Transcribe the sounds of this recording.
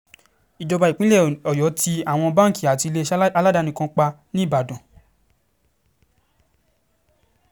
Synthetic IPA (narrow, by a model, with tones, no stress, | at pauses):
i˨d͡ʒɔ˧ba˧i˨k͡pĩ˦lɛ˦˨ɔ˨jɔ˨˦ti˧a˦˨w̃ɔ̃˧bã˦ŋ˨ki˨a˨ti˧le˦ʃa˧˦la˦da˨˦nĩ˨˧kã˧k͡pa˧nĩ˦˨ba˨dɔ̃˨